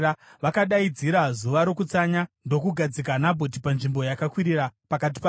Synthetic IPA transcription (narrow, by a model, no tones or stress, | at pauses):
ʋakaɗaid͡ziɾazuʋaɾo̞kut͡saɲando̞kuɡʱad͡zikanabʱot̬ipanʐimbo̞jakakwiɾirapakat̬i̥pa